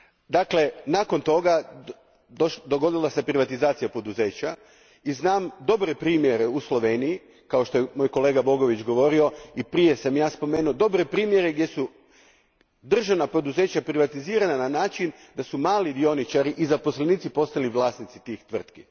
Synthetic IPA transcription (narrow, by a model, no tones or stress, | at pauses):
d̪akle̞naːko̞nt̪o̞ɡa | d̪oʃd̪o̞ɡo̞d̪ilˠasepɾiʋat̪izaːt̪sijapo̞d̪uze̞ːt͡ɕa | iznaːmd̪o̞bɾe̞pɾiːmje̞ɾe̞uslˠo̞ʋe̞ːniji | kao̞ʃt̪ojemo̞jko̞le̞ːɡabo̞ɡo̞ʋit͡ɕɡo̞ʋo̞ɾio̞ipɾije̞samjaːspo̞meːnuod̪o̞bɾe̞pɾiːmje̞ɾe̞ɡd̪ʲje̞su | d̪r̩ʒaʋnapo̞d̪uze̞ːt͡ɕapɾiʋat̪iziːɾanananaːt͡ʃin | d̪asumaːlid̪io̞nit͡ʃaɾiʔizapo̞sleniːt̪sipo̞st̪aliʋlˠaːsnit̪sit̪iːxt̪ʋr̩t̪ki